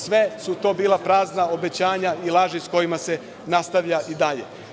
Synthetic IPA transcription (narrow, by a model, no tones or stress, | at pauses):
sʋe̞sut̪o̞ːbiːlˠapɾaːznao̞be̞t͡ɕaːɲailˠaːʒisko̞jimase̞ | nast̪aʋʎaʔid̪aʎḛ